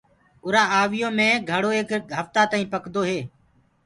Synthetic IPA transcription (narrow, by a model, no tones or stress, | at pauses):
ʊɾãːaːʋɪjõːmẽːɡʱəɽoːeːkɦəft̪aːt̪aːĩːpəkd̪oːɦeː